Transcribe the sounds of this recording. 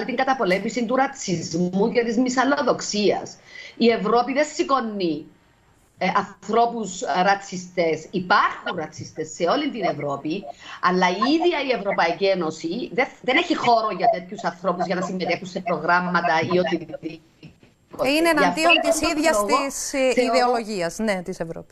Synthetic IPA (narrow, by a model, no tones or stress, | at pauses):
lit̪iŋɡɐt̪ɐpo̞le̞mːisint̪uɾɐt͡sʰizmucet̪izmisɐloðo̞ksiɐ̰sie̞vɾo̞piðe̞nsiko̞nːi | ɐθɾo̞pusɾɐt͡sːist̪e̞sipɐɾxunɾɐt͡sʰːist̪e̞sːe̞o̞lint̪ine̞vɾo̞piɐlːɐiiðiɐie̞vɾo̞pɐicienosiðeðeneçixo̞ɾoʝɐt̪e̞t̪çusɐnθɾo̞puzʝɐnɐsimːet̪e̞xunse̞pɾoɣɾɐmːɐt̪ɐiot̪ii | oinenɐft̪iont̪isiðʝɐst̪isðeoloʝiɐsnet̪isevɾo̰pi